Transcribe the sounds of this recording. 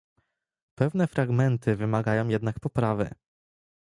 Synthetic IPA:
pɛvnɛfɾaɡmɛnt̪ʰɘvɘmaɡajɔ̃w̃jɛd̪nakpɔpɾavɘ̰

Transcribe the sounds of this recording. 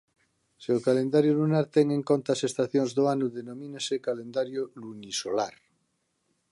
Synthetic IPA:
seokalend̪aɾjolunaɾt̪eŋẽŋkont̪aːsest̪aθjoŋzðoanuðenõmĩnesekalend̪aɾjolunisola̰ɾ

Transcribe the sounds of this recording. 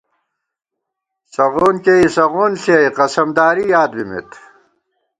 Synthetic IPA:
sɐʁoːnkeisɐʁoːnɬeiqɐsɐmd̪aːɾijaːd̪bimḛt̪

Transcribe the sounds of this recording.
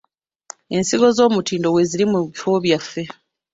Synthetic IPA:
e̞nsiɡo̞zo̞ːmutiːndo̞we̞ziɾimuβifo̞βjafːe̞

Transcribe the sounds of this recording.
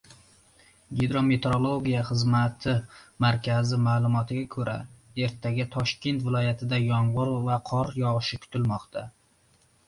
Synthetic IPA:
ɡʲid̪ɾo̞me̞t̪ɾo̞lˠo̞ɡʲijaχɨzmat̪ʰɪmaɾkʲʰazɪmaːlˠʊmɒt̪ʰɪɡʲakʰɵɾʔa̰e̞ɾt̪ʰaɡʲɪt̪ʰɒʃkʲe̞nt̪vɪlˠɒjat̪ʰɪd̪ajɒɴʁʊɾvaqʰɒɾjɒʁʃɪkʲʰʊ̥t̪ʰɪlmɒqt̪ʰa

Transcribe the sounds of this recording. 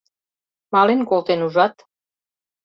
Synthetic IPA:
mɑlenkolˠt̪enuʒɑt̪

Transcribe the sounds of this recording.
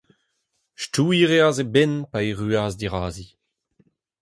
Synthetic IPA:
ʃtuːiʁeazebɛnpaeʁyaːzdiʁaːzi

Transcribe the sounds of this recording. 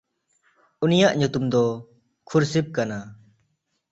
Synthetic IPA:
unijaʔɲut̪umd̪ɔ | kʰuɾsip̚kana

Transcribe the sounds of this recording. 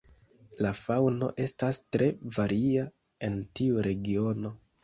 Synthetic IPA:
lafawno̞̰ʔe̞stastɾe̞vaɾia | e̞ntiuɾe̞ɡiono̞

